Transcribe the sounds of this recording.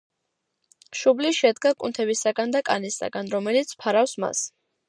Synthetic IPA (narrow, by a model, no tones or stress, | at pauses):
ʃubliʃɛd̪ɡakʼunt̪ʰɛbisaɡand̪akʼanisa̰ɡanɾɔmɛlit̪sʰpʰaɾafsma̰s